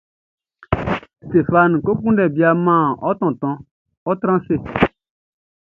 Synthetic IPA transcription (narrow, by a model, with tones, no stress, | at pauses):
ste˨fa˨n˨ko˦kũ˦ndɛ˨bi˨a˨mã˦˨ɔ˦t̪ɔ̃˨t̪ɔ̃˨ | ɔ˦t̪ɾã˦se˦˨